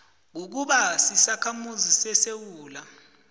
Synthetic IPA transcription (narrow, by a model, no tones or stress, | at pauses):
k̬uk̬uɓasisakʰamuzisɛsewuːla